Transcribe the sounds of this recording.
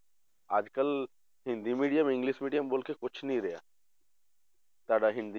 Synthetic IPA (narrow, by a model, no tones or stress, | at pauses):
a̰ːd͡ʒkəl | ɦɪ̃nd̪imiːɖijəmɪ̃ŋɡliːʃmiːɖijəmboːlkekʊt͡ʃʰnɐĩɾɛja̰ː | t̪aːɽaɦɪ̃nd̪i